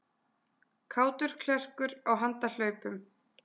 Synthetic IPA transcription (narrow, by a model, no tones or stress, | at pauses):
kʰaːwt̪ʏɾ̥kʰlɛr̥kʏɾawɦant̪al̥œːɥpʏm